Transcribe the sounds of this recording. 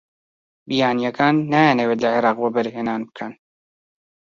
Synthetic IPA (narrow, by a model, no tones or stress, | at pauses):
bijaːnijɛkʰaːnːajanɛweːt̪lɐʕeɾɑːqwabɐɾɦeːnaːnbɨ̥kʰɐn